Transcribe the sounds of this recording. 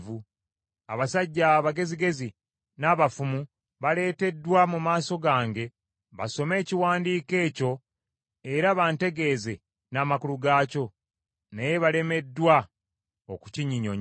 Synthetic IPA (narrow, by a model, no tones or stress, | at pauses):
vu | aβasaɟːaβaɡe̞ziɡe̞zi | naːβafumu | βale̞ːte̞dːwamumaːso̞ɡaːŋɡe̞ | βa̰so̞me̞ːciwaːndiːke̞ːco̞ | e̞ɾaβaːnte̞ɡe̞ːze̞ | naːmakuluɡaːco̞ | najeβale̞me̞dːwa | oku̥ciɲiɲo̰ɲ